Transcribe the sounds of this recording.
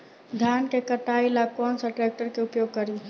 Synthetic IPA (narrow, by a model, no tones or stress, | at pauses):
d̪ʱankekəʈailakɔnsəʈɾɛk̚ʈəɾkeupjoɡ̚kəɾi